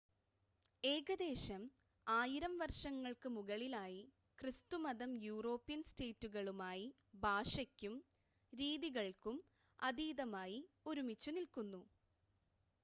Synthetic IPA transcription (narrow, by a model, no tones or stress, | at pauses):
e̞ːɣɐd̪e̞ːɕɐm | aːjiɾɐmʋɐrʂɐŋːɐɭkɨmuɣɐɭilaːji | krɨst̪umɐðɐmjuːro̞ːpːijɐnste̞ːtːuɣɐɭumaːji | bʱaːʂɐkʲːum | ɾiːðiɣɐɭkum | ɐd̪iːðɐmaːji | uɾumit͡ɕːunilkunːu